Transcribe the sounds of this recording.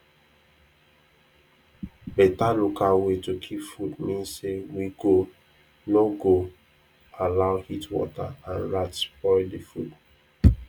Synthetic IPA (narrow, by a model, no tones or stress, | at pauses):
bɛtalokalwetokʰipfudmĩnsewiɡo | nɔɡo | alaʊhitwɔ̰ta̰ãnɹatsbɔɪdifud